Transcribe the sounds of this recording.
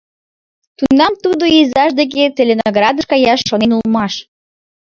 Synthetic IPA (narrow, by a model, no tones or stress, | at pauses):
t̪unɑmt̪ud̪oizɑʃd̪ek̬et͡selʲenoɡɾɑd̪əʃkɑjɑʃːonenulmɑʃ